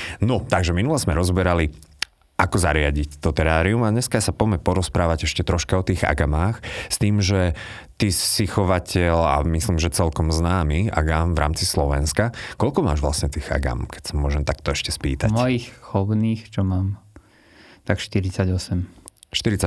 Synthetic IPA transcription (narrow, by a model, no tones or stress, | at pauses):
nɔt̪aɡʒɛminulɛzmɛɾɔzɔbɛɾali | ʔakɔzaɾɪaɟict̪ɔt̪ɛɾaːɾiumadɲɛskasapɔmɛpɔɾɔspɾaːʋaɟɛʃcɛt̪ɾɔʃkaɔt̪iːɣa̰ɡamaːxst̪iːmʒɛ | t̪isixɔʋacɛʎa̰misliːmʒɛt͡sɛlkɔmznaːmia̰ɡaːmvɾa̰ːmt͡sislɔʋɛnskakɔlkɔmaːʒʋlasɲɛt̪iːɣa̰ɡa̰mkɛ̥csamʊɔʒɛmt̪akt̪ɔɛʃcɛspḭːt̪amɔjixxɔbniːxt͡ʃɔmaːm | t̪akʃt̪iɾit͡saɟɔsɛmʃt̪iɾit͡sa